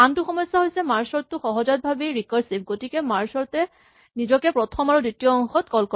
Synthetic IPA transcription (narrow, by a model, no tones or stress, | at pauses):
antuxɔmɔjsːaɦojsɛmaɹsɔɹtːʊxɔɦɔzɔt̚bʱabejɹikɔɹsip̚ɡotikɛmaɹsɔɹtɛ | nizɔkɛpɹɔtʰɔmaɹuditijɔɔŋxɔtkɔlkɔ